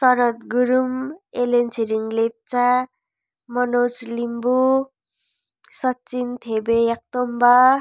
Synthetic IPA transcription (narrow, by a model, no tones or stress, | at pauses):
sʌɾʌt̪ɡuɾumelent͡sʰiɾiŋlep̚t͡sa | mʌnot͡slimbu | sʌtːt͡sint̪ʰebejak̚t̪omba